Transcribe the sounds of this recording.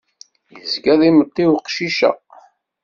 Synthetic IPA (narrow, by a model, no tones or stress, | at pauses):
jəzɡæðˤimət̪ˤːiwqʃiʃæ̰